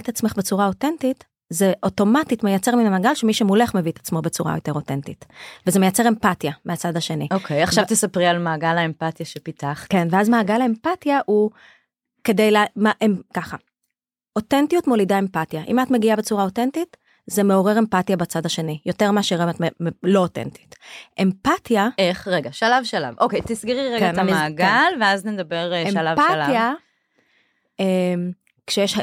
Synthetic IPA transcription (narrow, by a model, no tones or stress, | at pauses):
t̪at͡sme̞χbet͡suʁao̞tentit | zeʔo̞to̞matitmejat͡se̞ʁminamaːɡalʃemiʃemule̞χme̞vit̪ḁt͡smo̞be̞t͡suʁa̰jo̞te̞ʁo̞te̞ntitveze̞me̞jat͡se̞ʁe̞mpatjameat͡sadaʃe̞niokʰejaχavvt̪esapʁialmaːɡalaempatjaʃepitaχke̞nveazmaːɡalaempatjaʔu | ke̞dejlamaʔemkaχa | otentijutmo̞lidae̞mpatjaʔḭmatmeɡiabet͡suʁao̞tentit | zemeo̞ʁe̞ʁempatijabat͡sadhaʃe̞nijo̞teʁmaʃʁeatmemelo̞otḛnti̥tʔempatjaeχʁeɡaʃalavʃala̰vʔokejt̪isɡeʁiʁeɡnmmaɡalveazned̪abeʁemalavpaalaja | em | kʃejeʃ